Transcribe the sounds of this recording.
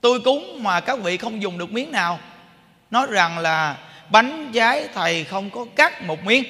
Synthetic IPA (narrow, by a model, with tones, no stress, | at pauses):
t̪u˧jkʊ˨˦ŋ͡mmaː˨˩kaː˦˥k̚vḭ˧˨xə˧wŋ͡mzʊ˨˩ŋ͡mɗɨ˨˩ək̚mi˨˦əŋnaː˨˩w | nɔ˨˦jza˨˩ŋlaː˨˩ɓa˨˦jŋ̟zaː˨˦jt̪ʰə˨˩jxə˧wŋ͡mkɔ˨˦kaː˦˥k̚mo˨˩t̚mwi˨˦əŋ